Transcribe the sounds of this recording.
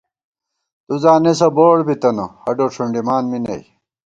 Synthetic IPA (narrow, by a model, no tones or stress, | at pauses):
t̪uzaːnesɐboːɽbit̪ɐnohɐɖoːʂʰuɳɖimaːnminḛj